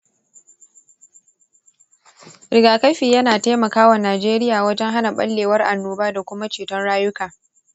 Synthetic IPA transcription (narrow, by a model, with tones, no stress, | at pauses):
ɾɪ˨ɡaː˨kɐ˦ɸiː˨jɐ˦naː˨teː˦mɐ˨kaː˦wa˨naː˨d͡ʒeː˦ɾɪ˦jaː˨wɐ˦d͡ʒɛ˦ŋɦa˦na˨ɓɐ̰˦lːeː˨wɐ˦rʔa̰˨nːuː˦baː˦da˨kʷʊ˦ma˦t͡ʃeː˨tɔ˦nɽaː˦jʊ˦kaː˨